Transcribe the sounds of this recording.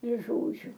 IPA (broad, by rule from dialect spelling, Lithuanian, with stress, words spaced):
ɪr ˈʒoːd͡ʒʲʊ